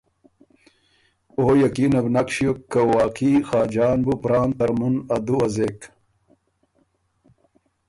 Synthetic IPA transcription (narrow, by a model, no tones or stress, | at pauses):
oːjɐkiːnɐbnakɕijokːɐwaːqixaːd͡ʑaːnbupɾaːnt̪ɐɾmunɐd̪uwɐzek